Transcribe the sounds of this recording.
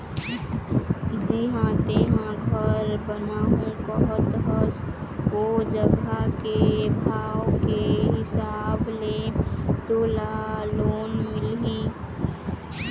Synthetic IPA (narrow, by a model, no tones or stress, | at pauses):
d͡ʒɪɦãt̪eɦãɡʱəɾbənaːɦũkəɦʊt̪ɦəskod͡ʒəɡakebʱaːwkeɦɪsaːblet̪oːlaloːnmɪlɦiː